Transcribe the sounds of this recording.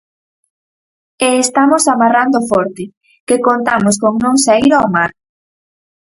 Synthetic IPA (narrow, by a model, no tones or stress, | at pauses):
eːst̪amosamarand̪ofɔɾt̪ɪ | kekont̪amos̬koŋnõŋsajɾoomaɾ